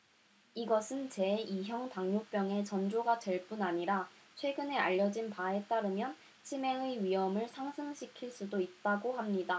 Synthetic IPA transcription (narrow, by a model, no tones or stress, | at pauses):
iɡʌsʰɯnt͡ɕe̞iɦjʌŋtaŋɲop͈jʌŋe̞t͡ɕʌnd͡ʑoɡat͡ɕe̞ɭp͈unaɲiɾat͡ɕʰwe̞ɡɯne̞a̰ʎːʌd͡ʑinpae̞t͈aɾɯmjʌn | t͡ɕʰime̞ŋɯɥiɦʌmɯɭsʰaŋsʰɯŋɕʰikʰiɭs͈udoit̚t͈aɡohamɲida